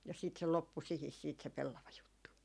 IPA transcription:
jɑ sit se lopːu sihis siːt se pelːɑʋɑjutːu

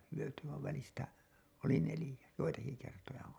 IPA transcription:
hyøty ʋɑiʋ ʋælistæ oli nelĭjæ joitɑki kertojɑ on

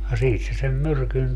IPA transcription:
jɑ siːt se sem myrkyn

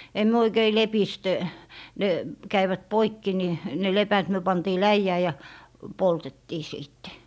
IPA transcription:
em myø oikei lepist ne kæiʋæt poikːi ni ne lepæt myø pɑntiː læijæː jɑ poltetːiː siːtːe

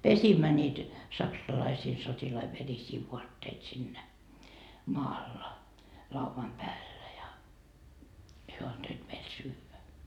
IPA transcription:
pesimːæ nʲiːt sɑksɑlɑisiː sotilɑi ʋerisiː ʋuɑtːeit sinːæ mɑːlːɑ lɑuʋɑm pæːlːæ jɑ hyø ɑntoit meil syːʋæ

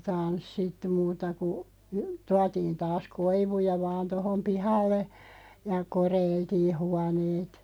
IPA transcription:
tɑnsːitːu muːtɑ ku tuɑtiːn tɑːs koiʋujɑ ʋɑːn tohom pihɑlːe jɑ koreiltiː huɑneːt

